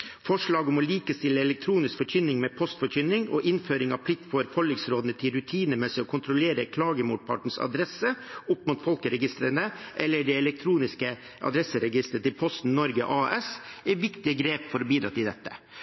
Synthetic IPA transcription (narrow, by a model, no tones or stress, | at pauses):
fɔʂɭɑːɡɔmɔliːkəst̪ɪlːəɛlɛk̚t̪ʰɾuːnɪskfɔɾçʏnːɪŋmɛːpʰɔst̪fɔçʏnːɪŋɔ̰ːʔɪnføːɾɪŋɑ̰ʋpʰlɪk̚t̪fɔɾfɔlɪŋsɾoːd̪ənət̪ʰɪlɾʉt̪ʰiːnəmɛsɪɔkʰʊnt̪ʰɾʊleːɾəkʰlɑːɡəmṵːʈ̪̚pʰɑ̰ʈɳ̩sɑ̰d̪ɾɛsːəʊpːmut̪fɔlkəɾɛɡɪst̪ɾənəʔɛlːəɖɛɛlɛk̚t̪ʰɾuːnɪskə | ʔɑ̰d̪ɾɛsəɾɛɡɪst̪ɾət̪ɪlpʰɔst̪n̩nɔɾɡə̰ʔɑːʔɛsɛɾʋɪkt̪ɪəɡɾeːpfɔɾɔbiːd̪ɾɑ̰ːt̪ɪld̪ɛt̪ːə̥